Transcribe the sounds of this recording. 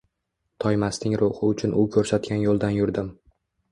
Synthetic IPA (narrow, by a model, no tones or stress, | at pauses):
t̪ʰɒjmast̪ɪŋɾʔʊhɨʊt͡ʃʰʊnʊkʲʰɵɾsat̪̚kʲanjolˠd̪anjʊɾd̪ɪm